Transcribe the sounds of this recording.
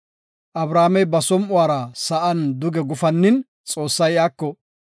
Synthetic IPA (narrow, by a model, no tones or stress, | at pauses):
ʔɐbɾaːmɛjbɐsɔmʔʊaːɾɐsɐʔɐnd̪ʊɡɛɡʊfɐnːɪn | t͡sʼo̞ːsːɐjaːkːɔ